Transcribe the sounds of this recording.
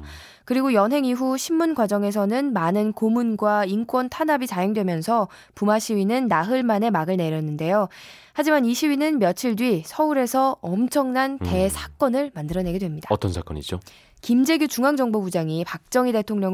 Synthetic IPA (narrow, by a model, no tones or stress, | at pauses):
kɯɾiɡojʌnɦe̞ŋiɦuɕʰimːunɡwad͡ʑʌŋe̞s̬ʰʌnɯnmanɯnkomunɡwaink͈wʌntʰanɦabit͡ɕajoŋdwe̞mjʌnsʰʌ | pumaɕʰiɥinɯnːaɦɯɭmane̞maɡɯɭne̞ɾjʌnːɯnde̞jo | had͡ʑimaniɕʰiɥinɯnmjʌt͡ɕʰiɭdwɥisʰʌuɾe̞sʰʌʌmt͡ɕʰʌŋnante̞sʰḁk͈ʌnɯɭmandɯɾʌne̞ɡedwe̞mɲidat͈ʌnsʰak͈ʌ̰ɲḭd͡ʑo | kimd͡ʑe̞ɡjut͡ɕuŋaŋd͡ʑʌŋbobud͡ʑaŋipak̚t͡ɕ͈ʌŋide̞tʰoŋɲʌ